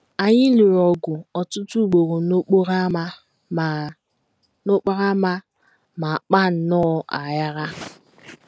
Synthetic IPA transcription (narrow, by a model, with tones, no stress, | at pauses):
a˨ɲɪ˦li˨ɾɔ˨ɡʊ˨ɔ˨tʊ˦tu˦˨ɡ͡bo˨ɾo˨no˦k͡po˦ɾa˦ | no˦k͡pa˦ɾa˦ma˦ | ma˨k͡pa˦n̩˦nɔ˦ʔa˨ja˦ɾa˦